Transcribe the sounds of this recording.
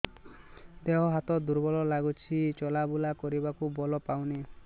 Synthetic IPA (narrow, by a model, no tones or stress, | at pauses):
d̪eɦɔɦat̪ɔd̪uɾbɔlɔlaɡut͡ʃʰit͡ʃɔlabulakɔɾibakubɔlɔpawne